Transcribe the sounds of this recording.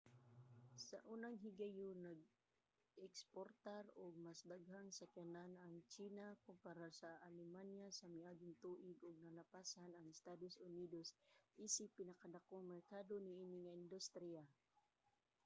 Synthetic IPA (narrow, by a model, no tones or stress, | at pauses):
sɐ̰ʔuːnaŋɦɪɡajʊnɐɡ̚ | ʔɛkspoɾt̪aɾʊɡ̚masd̪aɡɦaŋsɐkɛlanɐŋt͡ʃiːnakʊmpaɾasaʔalɛmanjasɐmɪʔaːɡɪŋt̪uːʔɪɡʊɡ̚nɐlapasanɐŋɪst̪ad̪osʊniːd̪osʔiːsɪpːɪnɐkad̪akoŋmɛɾkaːd̪onɪʔiːnɪŋaɪnd̪ʊst̪ɾia